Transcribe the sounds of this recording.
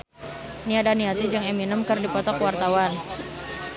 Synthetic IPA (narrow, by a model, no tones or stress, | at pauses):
niadaniat̪id͡ʒɨŋeminəmkərdipɔt̪ɔkwart̪awan